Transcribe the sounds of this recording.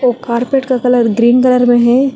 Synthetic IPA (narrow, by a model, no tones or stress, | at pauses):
oːkaːɾpeʈkakɐləɾɡɾiːnkɐləɾmẽɦɛː